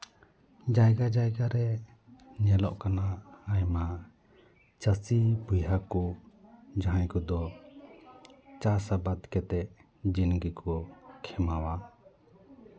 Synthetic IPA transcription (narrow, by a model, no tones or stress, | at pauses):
d͡ʒajɡad͡ʒajɡaɾɛ | ɲɛlɔ̰ʔkanaːjma | t͡ʃəsibujɦakɔ | d͡ʒaɦãjkɔd̪ɔ | t͡ʃasabad̪kɛt̪ɛʔ | d͡ʒinɡikɔkʰɛmawa